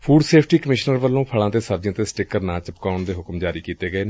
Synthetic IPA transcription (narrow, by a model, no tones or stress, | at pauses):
pʰuːɖseːpʰʈiːkəmɪʃnəɾʋəlːõːpʰəɭãːt̪eːsəbd͡ʒẽːt̪eːsʈɪkəɾnãːt͡ʃəpkaːʊɳd̪eːɦʊkmd͡ʒaːɾiːkiːt̪eːɡəeːneː